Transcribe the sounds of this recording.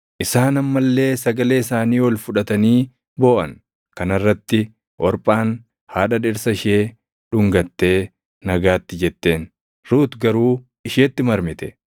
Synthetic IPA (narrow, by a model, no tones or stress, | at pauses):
ʔɪsaːnɐmːɐlːe̞ːsɐɡɐle̞ːɪsaːniːwɔlfʊᶑɐt̪ɐniː | bo̞ːʔɐ̰n | kɐnɐrːɐt̪ːɪ | ʔɔɾpʼaːn | haːᶑɐᶑɪɾsɐɪʃeː | ᶑʊŋɡɐt̪ːe̞ː | nɐɡaːt̪ːɪd͡ʒɛt̪ːe̞ːn | ɾuːt̪ɡɐɾuː | ɪʃeːt̪ːɪmɐɾmɪt̪ɛ̥